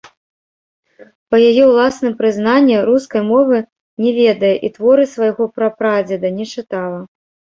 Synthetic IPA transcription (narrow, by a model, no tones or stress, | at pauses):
pɐjajɛwlˠasnɨmpɾɨznanʲːɛɾuskɐjmɔvɨ | nʲɛvʲɛd̪ɐjɛʔit̪vɔɾɨsvajɣɔpɾɐpɾad͡zʲɛd̪ɐnʲɛt͡ʂɨt̪alˠɐ